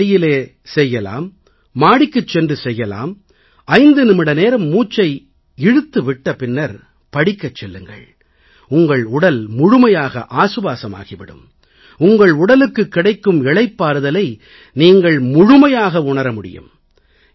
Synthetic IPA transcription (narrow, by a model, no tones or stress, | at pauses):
ɪjɪleː | sɛjːɐla̰ːmː | aːɽɪkːɐt͡ʃːɛndrɯsɛjːɐla̰ːm | ɐɪnd̪ɯnɯmɪɽɐneːɾɐmːuːt͡ʃːɐɪ | ɪɻɯt̪ːɯʋɪʈːɐpɪnːɐɾ | pɐɽɪkːɐt͡ʃːɛlːɯŋɡɐ̰ɭ | ʊŋɡɐɭʊɽɐlmʊɻʊmɐjaːɣɐ̰ʔaːsɯʋaːsɐma̰ːɣɪʋɪ̰ɽɯ̰m | ʊŋɡɐɭʊɽɐlɯkːɯkːɪɽɐɪkːɯmɪɭɐɪpːaːɾɯðɐlɐɪ | niːŋɡɐɭmʊɻʊmɐjaːɣɐʊɳɐɾɐmʊɽɪ̰jɯ̰m